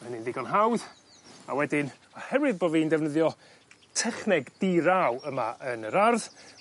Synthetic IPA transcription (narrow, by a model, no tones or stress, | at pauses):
ənɪnvɪɡɔnɦawð | a̰wɛdɪn | ɔhɛɾwɪðboːviːndɛvnəðjɔ | tʰɛχnɪɡd̥iɾawəmaʔənəɾarð